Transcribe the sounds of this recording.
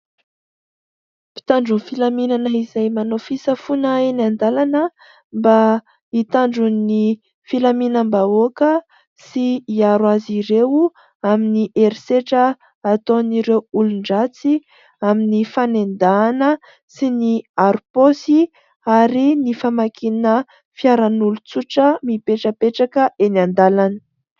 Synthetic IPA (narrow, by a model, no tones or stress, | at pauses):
pi̥t̪aɳɖ͡ʐunfilaminanəizajmanofisəfunaenand̪alanə | mba | it̪aɳɖ͡ʐuni | filaminəmbaokə | siiaɾwaziɾewu | aminiʔeɾseʈ͡ʂəː | t̪oniɾewuluɳɖ͡ʐat͡si | aminifanend̪aːnə | siniaɾuposi | aɾinifamakʰinə | fiaɾanulut͡suʈ͡ʂəmipeʈ͡ʂəpeʈ͡ʂakəʔenand̪alanə